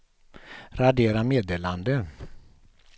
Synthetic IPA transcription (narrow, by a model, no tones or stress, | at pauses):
ɾad̪eːɾameːd̪eːland̪ə